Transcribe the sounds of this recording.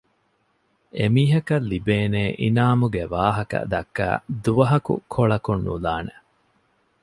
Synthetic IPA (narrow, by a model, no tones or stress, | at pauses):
emiːɦɐkɐlːibeːneːʔinaːmuɡeʋaːɦɐkɐ̰d̪ɐkːæ̰ːd̪uʋɐɦɐkṵkʰoɭɐkunːṵlaːne